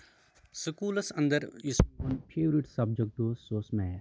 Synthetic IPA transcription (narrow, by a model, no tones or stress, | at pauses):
sɨkuːlɐsɐ̰̃nd̪əɾisənpʰeːʋɾiʈsɐb̚d͡ʒək̚ʈ̚oːzsoːsmɛː